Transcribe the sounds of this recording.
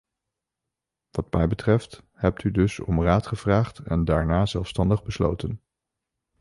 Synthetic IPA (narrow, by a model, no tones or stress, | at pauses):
ʋɑtmɛjbətrɛft | hɛp̚tydɵsɔ̰mraːtχəv̥raːχtɛ̰ndaːɹnaːzɛlˠfstɑndəχbəslo̰wtən